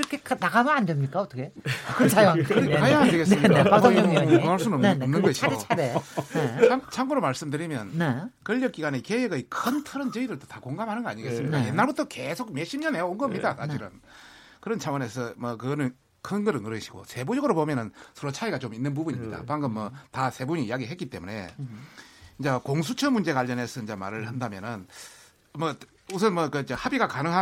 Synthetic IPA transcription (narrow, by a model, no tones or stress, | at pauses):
ɾʌkʰeknaɡamɯandemɲik͈aʌt͈ʰʌkʰeakɯɾt͡ɕʰajkɯɾkajaŋandeɡensɯmikaakaɭs͈unnʌmnɯnɡʌɕʰioaeeat͡ɕʰaŋɡuɾomaɭs͈ɯmdɯɾimjʌnnekɯʎːʌk͈iɡanekeeɡɯikʰɯntʰɯɾɯnt͡ɕʌidɯɭtʰotakoŋɡamhanɯnɡʌaɲiɡe̞s͈ɯmɲikajenːaɭbutʰʌke̞sʰok̚meɕʰimɲʌneonɡʌmɲidaka̰d͡ʑiɾɯ̰n | kɯɾʌnt͡ɕʰawʌne̞sʰʌmʌkɯɡnɯn | kʰɯnɡɯɾɯnɯɾɯɕʰiɡo̰sʰe̞bod͡ʑʌɡɯɾopomjʌnɯnsʰʌɾot͡ɕʰaiɡat͡ɕominːɯnp̬ubuɲimɲida̰paŋɡɯmːʌtasʰe̞buɲiːjaɡiɦetk͈it͈e̞mune̞̰ | ind͡ʑakoŋs̬ʰut͡ɕʰʌmund͡ʑe̞ɡaʎːʌne̞sʰʌind͡ʑama̰ɾɯɭhandamjʌnɯn | mʌ | us̬ʰʌnmʌkɯd͡ʑehabiɡakanɯŋɦa